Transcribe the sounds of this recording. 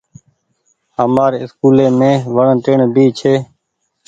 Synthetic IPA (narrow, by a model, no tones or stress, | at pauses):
ɦəmaːɾeːɪskuːlẽːmẽːʋəɳːt̪eːɳbiːt͡ʃʰeː